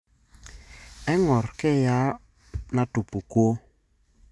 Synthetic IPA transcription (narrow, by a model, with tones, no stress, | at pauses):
ɛ˦ŋɔ˨ɾkɛ˦˨ja˦ | na˨tu˨pu˨kwo˦